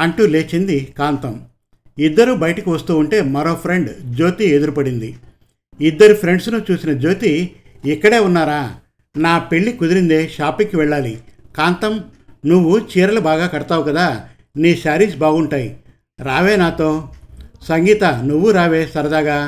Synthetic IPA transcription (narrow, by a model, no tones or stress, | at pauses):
ɐɳʈule̞ːt͡ʃend̪ikaːnt̪ɐm | id̪ːɐɾubɐjɐʈɐkiʋɐst̪uːuɳʈe̞ːmɐɾo̞ːpʰɾe̞ɳɖd͡ʒo̞ːt̪ie̞d̪uɾupɐɽind̪i | id̪ːɐɾipʰɾe̞ɳɖsnut͡ʃuːsinɐd͡ʒo̞ːt̪iːkːɐɽe̞ːunːaːɾaː | naːpe̞ɭːikud̪iɾind̪e̞ːʃaːpiŋkiʋɛɭːaːlikaːnt̪ɐmnuʋːut͡ʃiːɾɐlubaːɡaːkɐɽɐt̪aːʋukɐd̪aː | niːʃaːɾiːsbaːɡuɳʈaːji | ɾaːʋe̞ːnaːt̪o̞ːsɐŋɡiːt̪ɐnuʋːuɾaːʋe̞ːsɐɾɐd̪aːɡaː